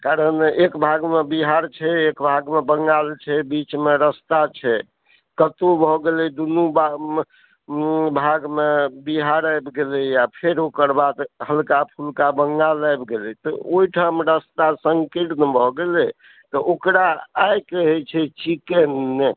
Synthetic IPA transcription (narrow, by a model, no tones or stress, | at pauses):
kaɾənekbʱaɡmebiɦaɾt͡ʃʰɛekbʱaɡmebəŋɡalt͡ʃʰɛbit͡ʃmeɾəst̪at͡ʃʰɛ | kət̪obʱɔɡelɛd̪unuba | bʱaɡmebiɦaɾajbɡelɛjapʰeɾokəɾbad̪həlkapʰulkabəŋɡalajbɡelɛt̪ɔ̰oiʈʰamɾəst̪asəŋkiɽnəbʱɔɡelɛ | t̪ɔʔokɾaːjkəɦɛt͡ʃʰɛt͡ʃikenːe